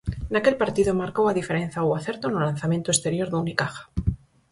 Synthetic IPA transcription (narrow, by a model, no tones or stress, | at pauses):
nake̞lpaɾt̪iðomaɾkowaðife̞ɾen̟θawaθe̞ɾt̪onolanθamjent̪oest̪e̞ɾjo̞ɾðunikaxḁ